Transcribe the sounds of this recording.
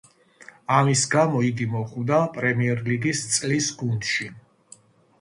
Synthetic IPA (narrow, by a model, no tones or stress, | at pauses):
amisɡamɔiɡimɔχvd̪apʼɾɛmiɛɾliɡist̪sʼlisɡund̪̥ʃi